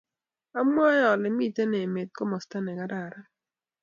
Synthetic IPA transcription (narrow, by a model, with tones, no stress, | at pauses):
a˦mwa˦jɔ˨lɪ˨˦mi˦˨te˦ne˨me˨t̪̚kɔ˦mɔ˨sta˦nɛ˨ka˦ɾa˨ɾa˦